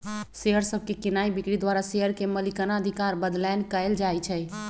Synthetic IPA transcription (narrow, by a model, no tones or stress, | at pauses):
seɦəɾsəb̚ʱkekinaibikɽid̪waɾaseɦəɾkeməlikənaəd̪ʱikaɾbəd̪lɛnkəɪld͡ʒajt͡ʃʰɛj